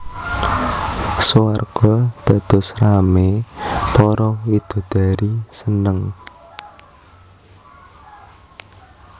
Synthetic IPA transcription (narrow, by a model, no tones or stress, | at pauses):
suarɡ̥ɔd̪̥a̤d̪̥ɔ̤sramepɔɾɔwid̪̥ɔ̤d̪̥a̤ɾisənəŋ